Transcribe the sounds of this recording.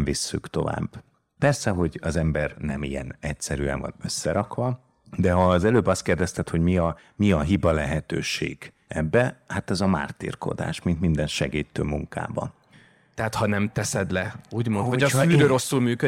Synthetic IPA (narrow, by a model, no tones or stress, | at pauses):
visːykt̪o̞̰va̰ːb | pɛrsɛɦo̞ɟɒzɛmbɛrnɛmijɛ̰nɛcsɛɾy̰ɛ̰nvɒ̰nø̞sːɛɾɒkʋɒ | d̪ɛɦɒːzɛløːbɒst̪̚keːrd̪ɛst̪ɛt̪ho̞ɟmiɒ | miɒɦibɒlɛɦɛt̪øːʃḛːɡ̥ | ɛbːɛhat̪ɛzɒma̰ːrt̪ḭːrko̞̰d̪a̰ːʃmint̪mind̪ɛnʃɛ̰ɡiːt̪ːøːmuŋka̰ːbɒ̰ | t̪ɛat̪hɒnɛmt̪ɛsɛd̪lɛuːɟmonɒɒzyːɾøːɾo̞sːulmyːkø